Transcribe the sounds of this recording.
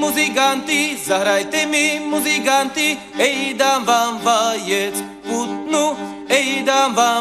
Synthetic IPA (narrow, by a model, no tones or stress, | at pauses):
muziɡant̪izaɦɾajt̪emimuziɡant̪i | ejd̪avavajet͡s | kut̪nu | ejd̪aba